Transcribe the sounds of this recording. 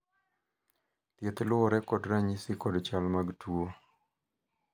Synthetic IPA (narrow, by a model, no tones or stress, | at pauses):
t̪jet̪lʊɾɛkɔdɾaɲisikɔdt͡ʃalmaɡtʰuo